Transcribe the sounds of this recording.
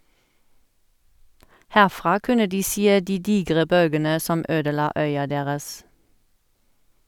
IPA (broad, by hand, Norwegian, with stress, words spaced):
ˈhæʁˌfʁɑː ˈkʉnə ˈdiː ˈseː ˈdiː ˈdiːɡʁə ˈbœlɡənə ˈsɔm ˈøːdəˌlɑː ˈœʏɑ ˈdeːʁəs